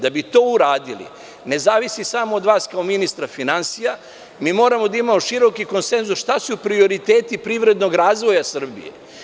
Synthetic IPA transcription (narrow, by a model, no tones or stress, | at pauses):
d̪abit̪o̞ːuɾaːd̪ilḭ | ne̞zaːʋisisamo̞ːd̪ʋaːskaominist̪ɾafinansija | miːmo̞ːɾamo̞d̪aimamoʃiɾo̞kiko̞nse̞nzusʃt̪asupɾio̞ɾit̪eːt̪ipɾiʋɾe̞d̪no̞ɡɾaːzʋo̞jasr̩bḭjḛ